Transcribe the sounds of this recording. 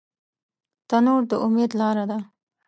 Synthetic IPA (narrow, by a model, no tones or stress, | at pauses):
t̪anoɽd̪əʔʊmed̪lɑɾad̪a